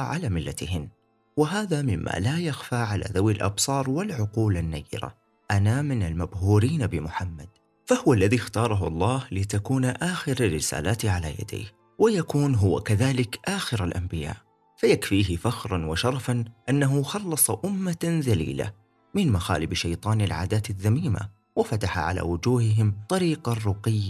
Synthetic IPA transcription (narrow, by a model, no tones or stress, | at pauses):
ʕalaːmɪlːa̰t̪hɪnː | wɪɦaːðamɪmːa̰lajaxfaʕala̰ðawɪlʔɑ̰bsˤɑːɾˤwɪlʕʊquːlanːa̰ːjːɪ̰ɾa̰ | ʔanamɪnalmabhuːɾiːnabɪmʊħamːad̪̥ | fahʊwalːaðixt̪ɑːɾˤɑɦʊʔɑlˤːɑːhlɪt̪akuːnaʔaːxɪɾarːɪsa̰ːlʔaːt̪ʕala̰ja̰d̪ḛːh | wajakuːnɦʊwa̰kaðaːlɪkʔaːxɪɾalʔambɪja̰ːʔ | fajakfiːɦɪfaxɾˤɑnwɪʃɑɾˤɑfanʔanːaɦʊxɑlːɑsˤɑʔʊmːaðalḭːla̰ | mɪnmaxaːlɪbʃajt̪ˤɑːnɪlʕa̰ːd̪aːt̪aðːamiːma̰ | wɪfat̪aħa̰ʕa̰la̰wʊd͡ʒuːhɪɦɪmt̪ˤɑɾiːqɑrˤʊqɪjːa